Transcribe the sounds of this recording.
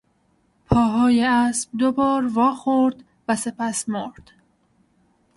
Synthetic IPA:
pʰɒːɦɒːjeæːsb̚d̪obɒːɾvɒːxoɾd̪ | væse̞pæsmoɾd̪̥

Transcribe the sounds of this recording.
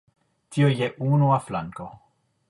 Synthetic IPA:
tiojeʔunuaflaŋko

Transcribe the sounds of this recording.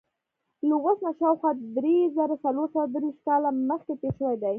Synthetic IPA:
luɣosnaʃawxwɑd̪ɾezaɾasaloɾsawad̪ɾiʃt̪̚kɑlaməxkepeʃəwajd̪aj

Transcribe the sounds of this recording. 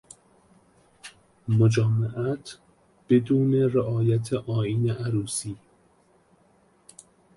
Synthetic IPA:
mod͡ʒɒːmeʔæt̪ʰ | b̥e̞d̪uːne̞reʔɒːjæt̪ʰeʔɒːiːneʔæɾuːsiː

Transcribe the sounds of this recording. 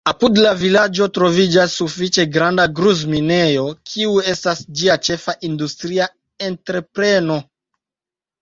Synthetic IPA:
apudlavilad͡ʒo̞tɾo̞vid͡ʒasːufit͡ʃe̞ɡɾandaɡɾuzmine̞jo̞kʰiue̞stasd͡ʒiat͡ʃe̞faʔindustɾia | entɾe̞pɾe̞no̞

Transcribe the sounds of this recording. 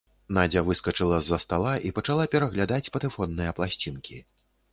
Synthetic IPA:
nad͡zʲɐvɨskɐt͡ʂɨlˠɐzːɐst̪alˠaʔipɐt͡ʂalˠapʲɛɾɐɣlʲad̪at͡sʲpɐt̪ɨfɔnːɨjɐplˠasʲt͡sʲinkʲʰi

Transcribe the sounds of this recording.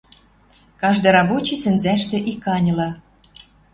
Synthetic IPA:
kɑʒd̪ɤ̆jɾɑβot͡ɕisɘ̆nzæʃt̪ɘ̆ʔikːɑnʲɤ̆lɤ̆

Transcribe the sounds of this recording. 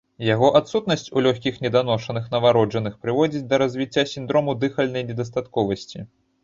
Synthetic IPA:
jaɣɔʔat̪sut̪nɐsʲt͡sʲulʲɔxʲkʲixnʲɛd̪anɔʂɐnɨxnɐvaɾɔd͡ʐɐnɨxpɾɨvɔd͡zʲit͡sʲd̪ɐɾɐzʲvʲit͡sʲːasʲind̪ɾɔmud̪ɨxɐlʲnɐjnʲɛd̪ɐst̪at̪kɔvɐsʲt͡sʲi

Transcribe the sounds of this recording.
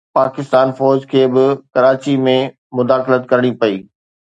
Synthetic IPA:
paːkɪst̪aːnfɔːɾd͡ʑkʰeːbɪkɐɾaːt͡ɕimẽ | mʊd̪aːxlət̪kɐɾɽ̃ipɐiː

